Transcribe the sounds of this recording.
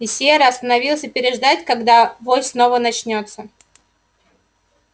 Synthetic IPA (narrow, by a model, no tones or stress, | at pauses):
ɪsʲeɾəɐst̪ənɐvʲilˠsʲɨpʲɪɾʲɪʐd̪atʲkɐɡd̪avosno̞vənɐt͡ɕnʲo̞t̪sːə